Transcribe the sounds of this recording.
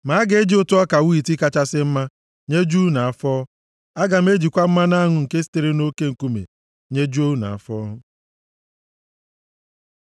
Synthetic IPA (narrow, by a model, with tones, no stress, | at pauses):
ma˨˦ɡe˨˦d͡ʒi˦ʊ˦tʊ˦ɔ˦ka˨wi˦i˨ti˦ka˦t͡ʃa˦sɪ˦m̩˦ma˦ | ɲe˦d͡ʒu˦na˨a˨fɔː˦ | a˦ɡa˨m̩˦e˦d͡ʒi˨kʷa˦m̩˦ma˦na˦ŋʊ˦˨ŋ̩˨ke˦si̥˦te˨ɾe˦no˦ke˦ŋ̩˨ku˦mḛ˨ | ɲe˦d͡ʒu˦o˦na̰˨a̰˨fɔː˦